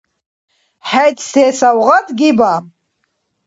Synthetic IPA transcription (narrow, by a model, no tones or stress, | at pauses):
ħajtʰʼseːsawʁatʰʼɡʲibam